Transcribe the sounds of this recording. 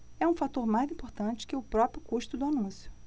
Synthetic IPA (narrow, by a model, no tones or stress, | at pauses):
ɛũfat̪oɾmajzĩpoɾt̪ɐ̃t͡ʃɪ̥kɪʊpɾɔpɾjʊkuʃt̪ʊd̪ʊanũsjʊ